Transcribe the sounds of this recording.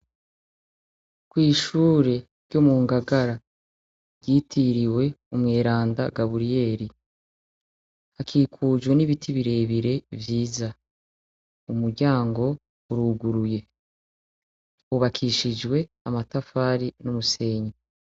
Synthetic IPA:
kwiːʃuːɾe̞ | ɾɟomuːŋɡaɡaɾa | ɟitʰiɾiwe̞umŋe̞ːɾaːndaɡaβuɾije̞ːɾi | akʰiːkʰud͡ʒwe̞niβitʰiβiɾe̞ːβiɾe̞vjiːza | umuɾɟaːŋɡo̞ | uɾuɡuɾuje̞ | uβakʰiʃid͡ʒɡwe̞ | amatafaːɾinumuse̞ɲe

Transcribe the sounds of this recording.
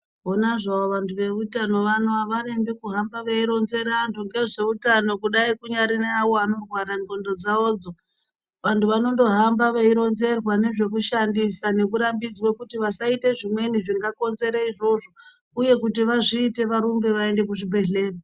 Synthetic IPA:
onaʐaoʋantʰuʋe̞ʋutano̞ʋanoaʋaɾembikuɦambaʋeiɾo̞nze̞ɾandoŋɡe̞ʐeutano̞kuɗaikuɲaɾineawo̞ano̞rwaɾaŋɡo̞ndo̞d͡zaoːd͡zo̞ | ʋantʰuʋano̞ndo̞ɦambaʋeiɾo̞nze̞rwane̞ʐe̞kuʃandisane̞kuɾambid͡zwekutiʋasaite̞ʐimwe̞niʐiŋɡako̞nze̞ɾaiʐo̞ʐo̞ | uje̞kutiʋaʐiːte̞ʋaɾumbe̞ʋae̞nde̞kuʐibʱe̞ɮe̞ːra

